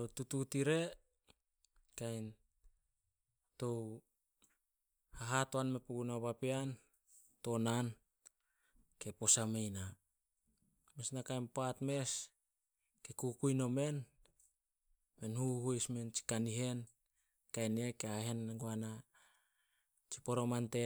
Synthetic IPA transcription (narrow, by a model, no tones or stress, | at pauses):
totututiɾe̞ | kajn | to̞w | haɦatoanme̞puɡunaβapean | to̞nan | ke̞po̞samejna | mesnakajnpatme̞s | kekukujno̞me̞n | menhuhujsment͡ʃi̥kaniɦe̞n | kajnekeaɦe̞nɡoana | t͡ʃi̥poɾo̞mante